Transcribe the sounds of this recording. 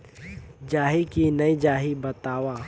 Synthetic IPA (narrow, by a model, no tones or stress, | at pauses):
d͡ʒaːɦikinɐid͡ʒaːɦibət̪aːwaː